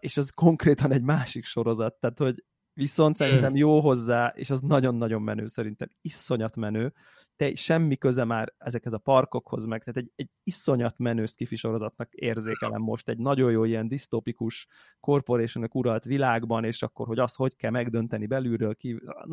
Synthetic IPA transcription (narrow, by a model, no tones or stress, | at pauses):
eːʃɛzko̞ŋkreːt̪ɒnɛɟmaːʃikʃo̞ɾo̞zɒt̪ːaːt̪ho̞ɟ | ʋiso̞nt̪sɛɾint̪ɛmjoːɦo̞zːaːʔḛːʃɒznɒɟo̞nːɒɟo̞mːɛnø̰ːsɛɾint̪ɛ̰misːo̞ɲɒt̪mɛnøː | t̪ɛʃɛmːikøzɛmaːɾɛzɛkhɛzɒpɒrko̞kho̞̰zmɛɡ̚t̪aːt̪ɛɟɛɟ | isːo̞ɲɒt̪mɛnøːskifiʃo̞ɾo̞zɒt̪nɒkḛːrzeːkɛlɛ̰mːo̞̰ʃt̪ɛɟnɒɟo̞joːijɛnd̪ist̪oːpikuʃ | ko̞rpo̞ɾeːʃonøkuɾɒlt̪ʋilaːɡbɒneːʃɒkːo̞rho̞ɟɒst̪ho̞ckɛlmɛɡd̪ø̞nt̪ɛnibɛlyɾøːlkḭ